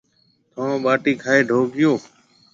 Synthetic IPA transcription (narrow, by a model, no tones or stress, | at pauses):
t̪ʰõːɓaːʈiːkʰaːeːɖʱoːɡɪjoː